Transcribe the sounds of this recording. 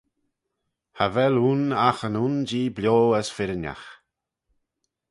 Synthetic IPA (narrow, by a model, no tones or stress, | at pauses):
havɛluːnaxənuːnd͡ʒiːbljoːəsfɪɾənja̰x